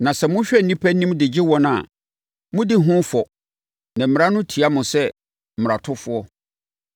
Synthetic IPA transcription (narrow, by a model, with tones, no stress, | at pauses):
nã˨sɛ˨mʊ̃˦ɕᶣɛ˦˨nĩ˦pʰæ˦n˦nĩ˦m˦dɪ˨d͡ʑɪ˦wɔ̃˦n˦a˨ | mʊ̃˦dɪ˦˨ɦʊ̃˦fɔ˨ | nã˨m̩˨m̃˨ɾã˦nʊ̃˦tʰi˨a˦mʊ̃˨sɛ˦ | m̩˨m˨ɾa˨tʰʊ˦fʊ˦ɔ˦